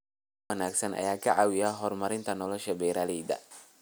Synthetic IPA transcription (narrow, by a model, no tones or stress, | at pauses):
ɐnaːɡsɐnʔɐ̰jaːkʰɐʕaːwɪjaɦɔrmɐɾɪnt̪ʰɐnɔlɔʃɐbɛːɾaːlɛjd̪ɐ̰